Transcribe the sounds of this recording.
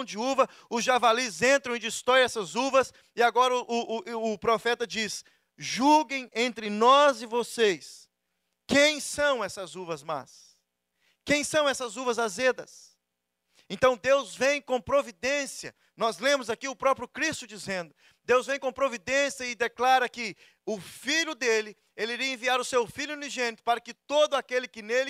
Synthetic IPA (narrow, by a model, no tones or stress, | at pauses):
w̃d͡ʒɪuvɐ | ʊzʒavalizẽnt̪ɾɐ̃w̃ɪd͡ʒɪst̪ɾɔjɛsɐzuvɐs | ɪaɡɔɾɐʔʊːpɾofɛt̪ɐd͡ʒis | ʒuɡẽj̃ẽnt̪ɾɪnɔzɪvosejs | kẽj̃sɐ̃w̃ɛsɐzuvɐzma̰s | kẽj̃sɐ̃w̃ɛsɐzuvɐzazed̪ɐs | ẽnt̪ɐ̃w̃d̪ewzvẽj̃kõpɾovid̪ẽsiɐ̰ | nɔzlẽmʊzakiʊpɾɔpɾjʊkɾist̪ʊd͡ʒizẽnd̪ʊ | d̪ewzvẽj̃kõpɾovid̪ẽsiɐɪd̪eklaɾɐkɪ | ʊfiʎʊd̪elɪ | elɪiɾiɐẽviaɾʊsewfiʎjʊuniʒẽnit̪ʊ̥paɾɐkɪt̪od̪ʊakelɪkɪnelɪ